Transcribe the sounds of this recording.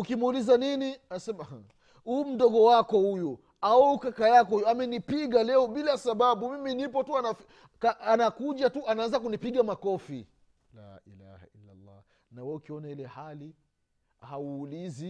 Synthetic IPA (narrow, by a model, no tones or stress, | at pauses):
ukimulizaniniasɛma | huːm̩ɗɔɠɔwakɔhuju | aukakajakɔhujamɛnipiɠalɛɔɓilasaɓaɓumiminipɔtuanaf | kaanakuʄatuanaanzakunipiɠamakɔfḭ | la̰ʔḭla̰ha̰ilːa̰lːa̰ | nawɛukiɔnailɛhali | hauːlizi